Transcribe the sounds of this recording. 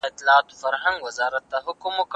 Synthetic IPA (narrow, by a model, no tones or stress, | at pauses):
ɪt̪lɑːt̪o̥faɾɦaŋɡwazɑɾat̪ːaɦʊkʊmok